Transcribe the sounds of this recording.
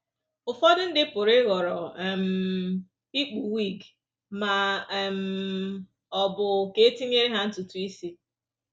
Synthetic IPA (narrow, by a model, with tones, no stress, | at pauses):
ʊ˨fɔ˦dʊ˦n̩˦dɪ˦pʊ˨ɾɪ˦ɣɔ˨ɾɔ˨m̩˨ | i˦k͡pu˨wi˦˨ɡ | ma˨m̩˨ | ɔ˨bʊ˨ke˦e˦ti˦ɲ˦e˦ɾe˦ɦa˦n̩˦tu˨tu˨i˦si˦